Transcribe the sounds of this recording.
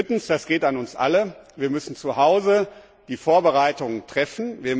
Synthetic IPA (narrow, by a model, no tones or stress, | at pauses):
ɪtn̩sd̥asɡ̥eːtanʊnsʔa̰ləviːɐmʏsn̩t͡suhaʊzə | d̥iːfoːɐbəʁaɪtʊŋətʁ̥ɛfn̩viːɐ